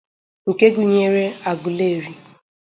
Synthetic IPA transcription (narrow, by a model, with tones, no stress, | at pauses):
ŋ̩˨ke˦ɡu˨ɲe˦ɾe˦a˨ɡʊ˨le˦˨ɾi˦